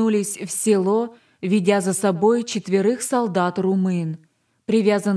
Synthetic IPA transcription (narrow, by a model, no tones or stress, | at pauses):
ulʲɪsʲfsʲɪlˠo̞ | vʲɪdʲazəsɐbo̞jt͡ɕɪt̪vʲɪɾɨxsɐlˠd̪at̪rʊmɨn | pɾʲɪvʲazən